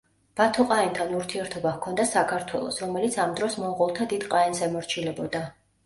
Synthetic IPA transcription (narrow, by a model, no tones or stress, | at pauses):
b̥at̪ʰɔqʼaɛnt̪ʰanuɾt̪ʰiɛɾt̪ʰɔbakʰɔnd̪asakʰaɾt̪ʰwɛ̰lˠɔ̰sɾɔmɛlit̪sʰamd̪ɾɔsmɔʁɔlˠt̪ʰad̪id̪̥qʼaɛnsɛmɔɾt͡ʃʰilɛbɔd̪a